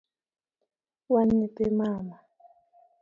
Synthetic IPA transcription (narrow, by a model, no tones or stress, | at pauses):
wanitɛmaːma